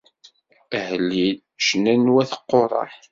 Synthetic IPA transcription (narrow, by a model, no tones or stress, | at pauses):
həlːil | ʃnænwæθə̥qːorˤɑ̰ħ